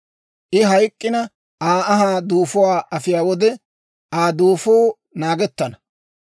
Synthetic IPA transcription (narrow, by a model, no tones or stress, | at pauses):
ʔɪɦɐjkʼːɪnɐ | ʔaːɐɦaːd̪uːfʊwaːʔɐfɪjaːwɔd̪ɛ | aːd̪uːfoː | naːɡɛt̪ːɐnɐ